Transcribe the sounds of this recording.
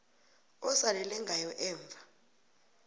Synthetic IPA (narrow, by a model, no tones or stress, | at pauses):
ɔsalɛlɛŋɡʱajɔʔɛːɱb̪vʱa